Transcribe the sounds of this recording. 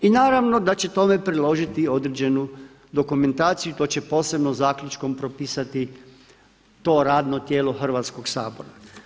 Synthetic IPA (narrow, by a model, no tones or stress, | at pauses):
inaːɾaʋno̞d̪at͡ɕe̞t̪o̞mepɾilo̞ʒit̪io̞d̪ɾed͡ʑe̞nu | d̪okume̞nt̪aːt̪sijut̪o̞ːt͡ɕe̞po̞ːse̞bnozaːkʎʲut͡ʃko̞mpɾo̞piːsat̪i | t̪o̞ːɾaːd̪no̞t̪jeːlo̞xr̩ʋaːt̪sko̞ɡsaːbo̞ɾa